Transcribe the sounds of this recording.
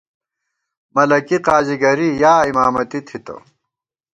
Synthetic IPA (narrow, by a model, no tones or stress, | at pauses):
mɐlɐkiqaːziɡɐɾijaːimaːmɐt̪it̪ʰit̪o̰